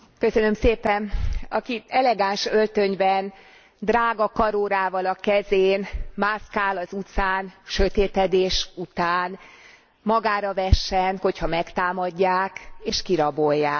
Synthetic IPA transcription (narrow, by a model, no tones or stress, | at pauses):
køsønø̞mseːpɛnɒkiɛlɛɡaːnʃølt̪øɲbɛn | d̪raːɡɒkɒɾoːɾaːvɒlɒkɛzeːnmaːskaːlɒzut̪saːnʃø̞t̪eːt̪ɛd̪eːʃut̪aːn | mɒɡaːɾɒvɛʃːɛnho̞chɒmɛkt̪aːmɒɟːaːkeːʃkiɾɒbo̞jːaː